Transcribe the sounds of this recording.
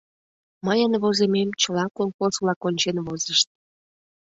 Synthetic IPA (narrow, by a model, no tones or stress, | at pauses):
məjənβozememt͡ɕəlɑkoŋkoslɑkonʲt͡ɕenβozəʃt̪̚